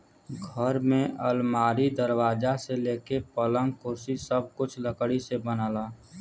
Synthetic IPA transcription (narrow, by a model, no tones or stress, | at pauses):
ɡʱəɾmẽʔəlmaːɾid̪əɾwaːd͡ʒaseleːkepələŋkʊɾsisəb̚kʊt͡ʃʰləkɽisebənaːlaː